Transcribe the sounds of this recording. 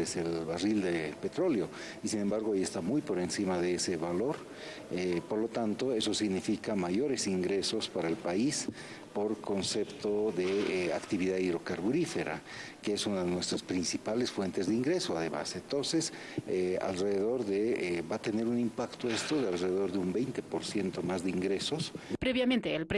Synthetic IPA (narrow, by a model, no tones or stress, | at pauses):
eselβarild̪epe̞t̪ɾo̞ljo̞ | isine̞mbaɾɣoajest̪amujpo̞ɾe̞nsimaðeese̞βalo̞ɾ | epoɾlo̞t̪ant̪o̞e̞so̞siɣnifikamaʝo̞ɾe̞siŋɡɾe̞so̞spaɾaelpais | po̞ɾko̞nse̞pt̪oðeakt̪iβiðaiðɾo̞kaɾβuɾife̞ɾa̰keesunaðenwe̞st̪ɾaspɾinsipalesfwe̞nt̪ezðeiŋɡɾe̞soaðema̰sent̪o̞nse̞s | ea̰lreðeðo̞ɾðebat̪e̞ne̞ɾunimpakt̪oe̞st̪oðealreðeðo̞ɾðeumbejnt̪e̞poɾsje̞nt̪o̞mazðeiŋɡɾe̞so̞spɾeβjament̪eːlpɾ